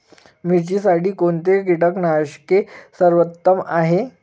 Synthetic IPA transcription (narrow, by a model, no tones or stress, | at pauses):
mit͡ɕiːsaɽiːkont̪eɡiʈəknaɕkesəɾʋət̪ːəmaɦe